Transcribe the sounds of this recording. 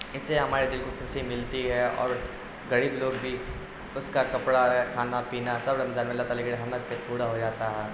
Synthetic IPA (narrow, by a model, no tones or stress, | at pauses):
ɪsːeɦɐmaːɾed̪ɪlkokʰʊsimɪlt̪iɦɛɔ̰ːɾ | ɡɐɽibloːɡbʱi | ʊskakɐpɽaɦɛkʰaːnapiːnasɐbɾɐmzaːnmelːat̪alekɾeɦɐməɾsepuːɽaɦod͡ʒaːt̪aɦɛː